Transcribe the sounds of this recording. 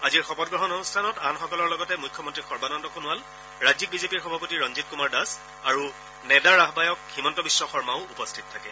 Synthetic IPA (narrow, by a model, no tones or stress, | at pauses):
aziɹxɔpɔt̚ɡɹɔɦɔnɔnustʰanɔtanxɔkɔlɔɹlɔɡɔtɛmujkʰːɔmɔntɹixɔɹbanɔndɔkʰonʊal | ɹazik̚bizepiɹxɔbʱapotiɹɔnzit̚kumaɹdas | aɹu | nɛdaɹaɦbajɔkximɔntɔbisːɔxɔɹmaʊupɔstʰitɔtʰakɛ